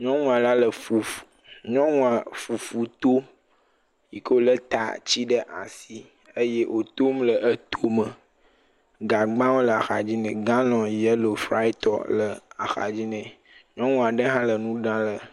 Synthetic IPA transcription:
ɲɔ̃˦ŋũ˦a˨la˦lə˨fu˨fu̥˨ɲɔ̃˦ŋũ˦a˨fu˨fu˨t̪o˦ | ji˨ko˦o˦lə˦t̪a̰˨t͡ɕi˦ɖə˦ʔa̰˨si˦ | ə˦je˦ʔo˨t̪o˦mlə˨ʔə˦t̪o˦mə˨ | ɡa˨ɡ͡bã˦wo˦lə˨a˨xa˨d͡ʑi˦nɛ̃˨ɡã˦nɔ̃˨jɛ˦lo˨fɾa̰˦i˦t̪ɔ̰˨lə˨a̰˨xa̰˨d͡ʑi˦nɛ̃˨ | ɲɔ̃˦ŋũ˦a˨ɖə˦ɦã˦lə˨nũ˦ɖã˦lə˨

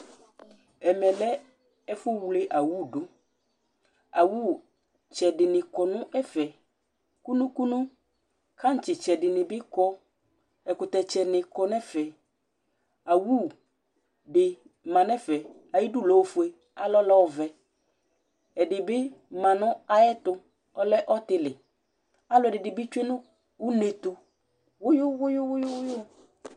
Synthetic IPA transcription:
ɛ˨mɛ̃˨lɛ˦ | ɛ˦fu˦wle˦ʔa˨wu˦˨ɖu˦ | a˨wu˦˨ | t͡ʃɛ˨ɖɪ˨nɪ̃˨kɔ˨nũ˦ɛ˦fɛ˨ | ku˦nũ˦ku˦nũ˦ | ka˦ŋ̩˦t͡ɕi˨t͡ʃɛ˨ɖɪ˨nɪ̃˨bɪ˦kɔ˦ | ɛ˨kʊ˨t̪ɛ˨t͡ʃɛ˨nɪ̃˨kɔ˦nɛ̃˦fɛ˨ | a˨wu˦ | bɪ˨ | mã˨nɛ˦fɛ˨ | a˨ji˦dʊ˦˨lɔ˨o˦fu˨e˨ | a˨lɔ˦lɔ˦˨vɛ˨ | ɛ˨dɪ˨bɪ˦mã˨nʊ̃˦a˨jɛ˦t̪ʊ˨ | ɔ˦lɛ˦ʔɔ˦t̪ɪ˨lɪ˨ | a˦lʊ˨ɛ˨dɪ˨dɪ˨bɪ˦t͡ʃu˦e˦nʊ̃˦ | u˦ne˨t̪ʊ˨ | wʊ˦jʊ˦wʊ˦jʊ˦wʊ˦jʊ˦wʊ˦jʊ˦

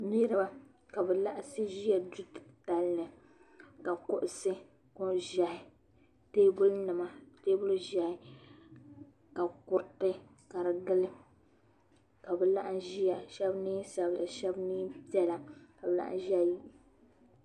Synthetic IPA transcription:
ni˦ɾa˦ba˦ | ka˨bɛ˨la˦ʔa˦sɨ˦ʒi˦ja˨du˦˨ta˨lnɨ˨ | ka˨kʊ˦ʔʊ˨sɨ˦ | kɔ˦ʒa˨hɪ˨ | teː˦bʊ˦lnɨ˨ma˦teː˦bʊ˦lʒa˨hɪ˦ | ka˨kʊ˦ɾtɨ˦ | ka˨ɾɨ˨ɡɨ˦lɨ˦ | ka˨bɛ˨la˦ʔa˦ʒi˦ja˨ʃɛ˦bniː˦sa˨bla˨ʃɛ˦bniː˦pi˦ɛ˦la˨ka˨bɨ˨la̰˦ʔʒi˦a˦˨ji˦ʔ

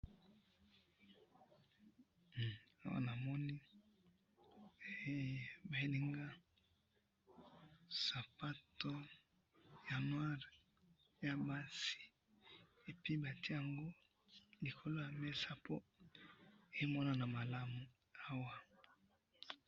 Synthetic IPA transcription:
a˦wa̰˦na˨mɔ˦ni˦˨˦ | ba˨e˦ni˦ŋɡa˦ | sa˨pa˦to˦ | ja˨nwa˦ʁ | ja˨ba˦si̥˨ | e˨pi˦ba˨tʰi˦ja˨ŋɡo˦ | li˨kʰo˨lo˦ja˨mɛ˦sa˦pʰo˦ | e˦mɔ˦na˨na˨ma˨la˦mu˨ | a˦wa˨

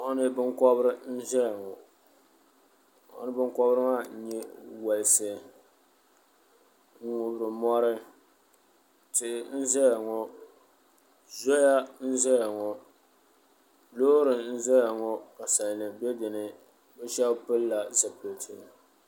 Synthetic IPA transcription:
ʔʊ˦nɨ˦bɨ˦ŋkɔ˦bɾɪ˦n̩˦ʒɛ˦ja˨ŋɔ˨ | ʔʊ̰˦nɨ˦bɨ˦ŋkɔ˦bɾɨ˦ma˦˨ɲɛ˦wa˨lsɨ˨ | ŋ̩˦ŋʊ˨bɾɨ˨mɔ˦ɾɪ˦ | tɪ˦ʔɪ˨n̩˦zɛ˦ja˨ŋɔ˨ | zɔ˦ja˦n̩˦zɛ˦ja˨ŋɔ˨ | loː˦ɾɨ˨n̩˦zɛ˦ja˨ŋɔ˦ka˨sa˨lnɨ˨bɛ˦dɨ˨nɨ˨ | bɛ˦ʃɛ˦bpɨ˦lla˨za˨po˨tʰɪ˨

